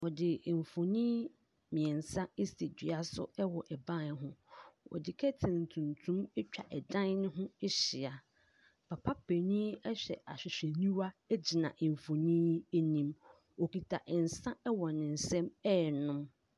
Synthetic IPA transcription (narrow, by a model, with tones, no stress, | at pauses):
wɔ˨dɪ˨ɱ˨fo˨nĩ˦ | mĩ˨ɛ˨n˨sã˦ɪ˦sti˨di˨a˨sʊ̰˦ɛ˦wɔ˨ʔɛ˨bã˦nɦʊ̃˦ɔ̰˨dɪ˨kʰɛ˦tʰɪ̃˨n̩˨tʰũ˨ntʰũ˦mɛ˦t͡ɕᶣa̰˨ʔɛ˨dã˦n˦nɪ̃˦ɦʊ̃˦ɛ˦ɕɪ˨a˨ | pʰa˨pʰa˦pʰe˨nĩ˦ɛ˦ɕᶣɛ̰˨ʔa̰˨ɕᶣɪ˨ɕᶣɛ˨nĩ˦wa˦ɛ˦d͡ʑi˨nã̰˨ʔɪ˨ɱ˨fo˨nĩ˦e˦nĩ˦˨m | ɔ˨ki˨tʰa˨ʔn̩˨sã˦ɛ˦wɔ˨nɪ̃˨n̩˨sɛ̃˦mɛ˦˨nʊ̃˦m